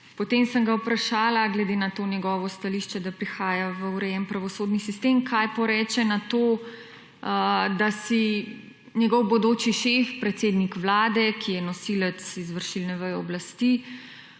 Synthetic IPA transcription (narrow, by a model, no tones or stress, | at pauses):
pɔt̪emsəŋɡawpɾaʃaːlaɡlɛd̪enat̪oːnjɛɡɔʋɔst̪aliʃt͡ʃɛd̪apɾixaːjaʋəuɾɛjɛmpɾaʋɔsoːd̪nisist̪emkʰajpɔɾɛːt͡ʃɛnat̪oː | d̪asi | njɛɡɔwbɔd̪oːt͡ʃiʃefpɾɛt̪seːd̪nikʋlaːd̪ɛkʰijɛnɔsilɛt̪sizʋəɾʃilnɛʋəjɔblast̪i